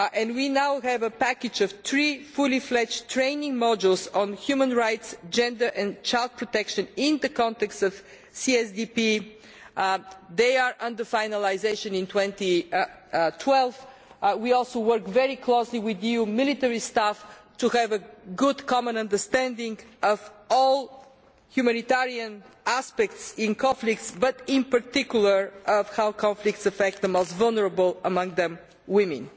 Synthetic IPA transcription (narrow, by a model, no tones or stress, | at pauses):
ʔɛ̃nwinaʊɦɛvəpækɨd͡ʒəv̥θɹifʊliflɛt͡ʃtʰɹẽɪ̃nɪ̃ŋmɔd͡ʒəlˠsɔ̃nhjumə̃nɹaɪtsd͡ʒɛ̃ndə˞ʔɛ̃nt͡ʃaɪlˠd̪̚pʰɹɔt̪ɛkʃə̃nɪ̃nðəkɔ̃nt̪ɛkstʌv̥ | siɛsdipi | ðeɪəɹʔʌ̃ndə˞faɪnəlaɪzeɪʃə̃nɪ̃ntwɛ̃nt̪i | tʰwɛlˠv | wiɔlˠsoʊwɜ˞kvɛɹikʰloʊsliwɪðiumɪlit̪ɛɹistaftuhɨvəɡʊdkʰɑmə̃nɐ̃ndə˞st̪æ̃ndɪ̃ŋɡʌvɔlˠ | hjumænit̪ɛɹiə̃næspɛktsɪ̃nkʰɑ̃nflɪk̚tsbʌɾɪ̃npəɹtɪkjulˠə˞ʔʌv̥haʊkʰɑ̃ɱflɪk̚tsəfɛk̚t̪ðəmoʊstvʌlˠnəɹəbəlˠəmʌ̃ŋðɛ̃m | wɪ̃mɨ̰̃n